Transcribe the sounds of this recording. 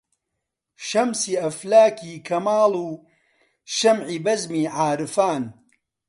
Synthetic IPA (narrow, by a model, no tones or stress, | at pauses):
ʃɐmsiːɐflaːkʰiːkʰɐmaːluː | ʃɐmʕiːbɐzmiːʕaːɾɨfaːn